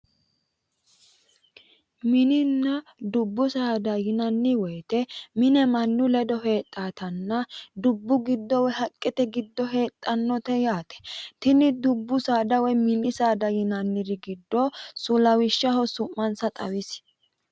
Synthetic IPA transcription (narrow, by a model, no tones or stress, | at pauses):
mɪnɪnːɐd̪ʊbːʊsaːd̪ɐjɪnɐnːɪwɔjt̪ɛmɪnɛmɐnːʊlɛd̪ɔɦe̞ːt̪ʼːaːt̪ɐnːɐd̪ʊbːʊɡɪd̪ːɔwɛɦɐkʼːɪt̪ɛɡɪd̪ːɔɦe̞ːt̪ʼːɐnːɔt̪ɛjaːt̪ɛ̥t̪ɪnɪd̪ʊbːʊsaːd̪ɐwɔjmɪnɪsaːd̪ɐjɪnɐnːɪd̪ɪɡɪd̪ːɔsʊlɐwɪʃːɐhɔsʊmːɐnsɐt̪ʼɐwɪs